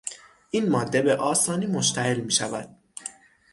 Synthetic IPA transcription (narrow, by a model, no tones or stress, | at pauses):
ʔiːnmɒːd̪ːe̞be̞ʔɒːsɒːniːmoʃt̪ʰæɦelmiːʃævæ̰d̪̥̚